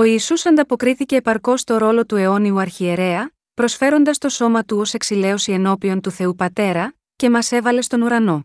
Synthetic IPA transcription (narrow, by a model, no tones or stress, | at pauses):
o̞iːsusɐnd̪ɐpo̞kɾiθice̞ːpɐɾko̞st̪o̞ɾo̞lo̞t̪ue̞o̞niuɐɾçie̞ɾe̞ɐ | pɾo̞sfe̞ɾo̞nd̪ɐst̪o̞so̞mɐt̪uose̞ksile̞o̞sie̞no̞pio̞nt̪uθe̞upɐt̪e̞ɾɐ | ce̞mɐse̞vɐle̞st̪o̞nuɾɐno̞